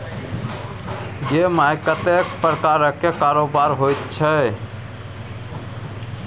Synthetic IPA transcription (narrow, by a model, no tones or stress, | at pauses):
jemajkət̪ekpɾəkaɾəkːekaɾobaɾɦojt̪t͡ʃʰə